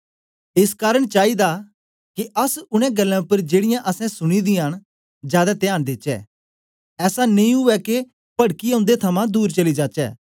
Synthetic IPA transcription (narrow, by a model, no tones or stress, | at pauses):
ɪskaːɾəɽ̃t͡ʃaːid̪a | kiʔɐsʊɽ̃ɛ̃ɡɐlːɛ̃ʊpəɾd͡ʒeːɽɪjãʔɐsɛ̃sʊɽ̃id̪ɪjaːñ | d͡ʒjaːd̪at̪ɪaːɽ̃d̪ɪt͡ʃɛ̰ː | ɛːsaniĩɦʊʋɛke | pɐɽkiɐ̃ʊ̃nd̪et̪ʰɐmãd̪uːɾt͡ʃɐlid͡ʒaːt͡ʃɛ̰ː